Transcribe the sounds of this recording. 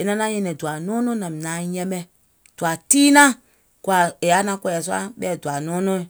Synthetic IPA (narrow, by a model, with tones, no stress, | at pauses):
e˨nã˧˦nã˦ɲɛ̃˧˨nɛ̃˨du˨a˨nɔ̃ː˦nɔ̃˦nã˨mĩ˨nã˨˦jɛ̃˧ɓɛ˧ | d̥u˨a˨tiː˦nã˦ | ku˨a˨e˨a˨˦nã˧˦kɛ˧ɛ˨su˦a̰˦ɓɛː˦˨du˨a˨nɔ̃ː˦nɔ̃˦ĩ˨